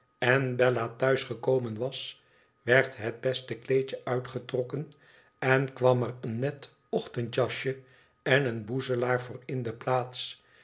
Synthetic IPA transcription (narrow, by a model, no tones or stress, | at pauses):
ɛnbɛlatœɥsχəkowmənʋɑs | ʋɛɹtɦəd̚bɛstəklejt͡ʃəʔœɥtχətrɔkən | ɛnkʋɑmərənːɛt | ɔχtəntjɑʃə | ɛnənbuzəlaːɹvʊːɹɪndəplaːts